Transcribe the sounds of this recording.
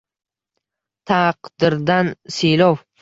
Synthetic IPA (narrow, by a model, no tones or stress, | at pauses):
t̪ʰaqd̪̥ɪɾd̪ansijlɒw